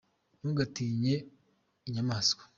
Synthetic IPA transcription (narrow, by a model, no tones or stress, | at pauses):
nuːɡatiːɲe̞ | iɲamaːskḁ